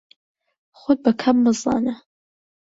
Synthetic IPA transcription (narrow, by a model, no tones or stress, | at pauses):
χʷʊt̚bakʰabmɨza̰na